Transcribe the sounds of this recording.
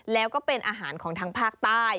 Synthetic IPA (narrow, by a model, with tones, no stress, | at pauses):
lɛː˦˥wkɔː˥˩pe˧nʔaː˧ɦaː˩˦nkʰɔː˩˦ŋt̪ʰaː˧˥ŋpʰaː˥˩k̚t̪aː˥˩j